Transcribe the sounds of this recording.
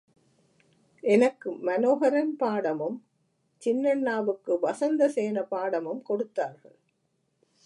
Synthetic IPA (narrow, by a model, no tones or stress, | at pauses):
ʔɛnɐkːɯmɐnoːɦɐɾɐnpaːɽɐmɯm | t͡ʃɪnːɐɳːaːʋɯkːɯʋɐsɐnd̪ɐseːnɐpaːɽɐmɯmkɔɽɯt̪ːaːɾɣɐ̰ɭ